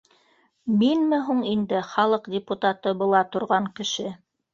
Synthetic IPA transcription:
minmɘɦuɴind̪ɘχɑlˠɤqdʲɪput̪at̪ɤbɤ̆lˠɑt̪ŏɾʁɑɴkɘ̆ʃɘ

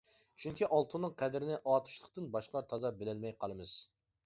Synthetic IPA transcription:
t͡ʃʰyŋkʲiʔɑlˠt̪ʰunːɨŋqʰɛd̪ɾɪnɪʔɑːt̪ʰu̥ʃlˠəqt̪ɨnbɑʃqlˠɑɾt̪ʰɑzɑbelɪlmɛjqʰɑlˠɨmɨz̥

